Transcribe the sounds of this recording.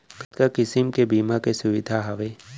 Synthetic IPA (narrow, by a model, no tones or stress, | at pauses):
kt̪kakɪsɪmkebiːmakesʊʋɪd̪ʱaɦɐʋe